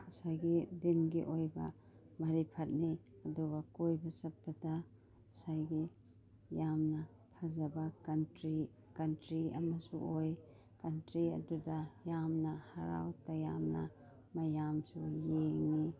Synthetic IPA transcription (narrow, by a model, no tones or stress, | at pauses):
asajɡidinɡiʔojba̰ | maɾipʰɐt̚niɐduɡɐkojbasɐt̚bada | sajɡi | jamnɐ | pʰazɐbakɐntɾi | kantɾiɐ̰masṵʔoj | kantɾiɐ̰dudajamnɐhaɾa̰wtajamnɐ̰ | mɐjamsujeŋi